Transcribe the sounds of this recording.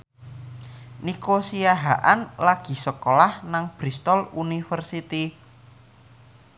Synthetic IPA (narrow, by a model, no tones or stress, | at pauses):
nikosiaɦaʔanlaɡ̥i̤səkolahnaŋb̥ɾist̪ɔlunifərsit̪i